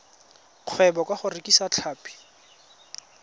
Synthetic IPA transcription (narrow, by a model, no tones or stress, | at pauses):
q͡χʰwɛbɔkwaχʊrekʼisat͡ɬʰaːpi̥